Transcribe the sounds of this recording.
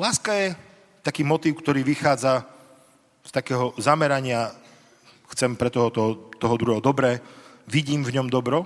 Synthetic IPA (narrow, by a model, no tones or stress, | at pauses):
laːskajɛ | t̪akiːmɔt̪iːʊkt̪ɔɾiːʋixaːd͡za | st̪akɛːɦɔzamɛɾaɲɪa | xt͡sɛmpɾɛt̪ɔɦɔt̪ɔɦt̪ɔɦɔd̪ɾuɦɛɦɔd̪ɔbɾɛːʋiɟiːmvɲɔmd̪ɔbɾɔ